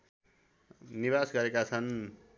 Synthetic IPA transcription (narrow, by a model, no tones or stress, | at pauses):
niβasɡʌɾekat͡sʰʌn